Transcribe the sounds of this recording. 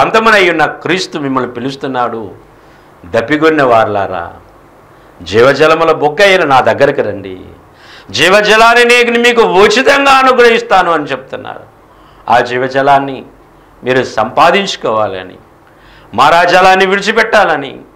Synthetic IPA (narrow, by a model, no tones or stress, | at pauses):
ɐnt̪ɐmunɐjːunːɐkɾiːst̪umimːɐluipilust̪unːaːɽu | d̪ɐpːiɡunːeʋaːɾla̰ːɾa̰ː | d͡ʒiːʋɐd͡ʒɐlɐmɐloːboɡːɐjilɐnaːd̪ɐɡːɐɾɐkiɾɐɳɖḭ | d͡ʒiːʋɐd͡ʒɐlaːnineːknimiːk̬uʋoːt͡ʃit̪ɐŋɡaːɐnuɡɾɐɦist̪aːnuɐnit͡ʃebut̪unːa̰ːɾu | aːd͡ʒiːʋɐd͡ʒɐlaːnːi | miːɾusɐmpaːd̪iɲt͡ʃu̥kɔːʋaːliɐ̰nḭ | mɐɾaːd͡ʒaːlaːnːiʋiɾit͡ʃipɛʈːaːlɐnḭ